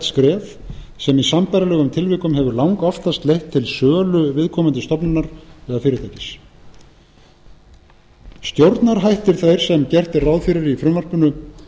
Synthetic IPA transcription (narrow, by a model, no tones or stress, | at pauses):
t̪skɾɛːf | sɛmisampajɾalɛːɣʏmt̪ʰɪlvɪːkʏmɦɛvʏɾlawŋkɔft̪ast̪lejht̪ʰːɪlsœːlʏvɪðkʰɔːmʏnt̪ɪst̪ɔpnʏnːaɾvɛːɣafɪːɾɪt̪ʰajcɪ̥s | st̪jowɾt̪naɾɦajht̪ɪɾ̥θajɾ̥sɛmcɛr̥t̪ɪrawðfiɾaɾɪifɾʏnar̥pʏnʏ